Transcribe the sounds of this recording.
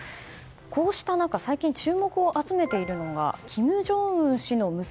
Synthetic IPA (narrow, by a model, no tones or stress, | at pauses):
ko̞ːɕi̥t̪anakasaikʲĩɲt͡ɕɨːmo̞kɯ̟oʔat͡sɨme̞t̪e̞iɾɯ̟no̞ɡa̰kʲʰimɯ̟ʑo̞ːɯ̟̃ɰɕino̞mɯ̟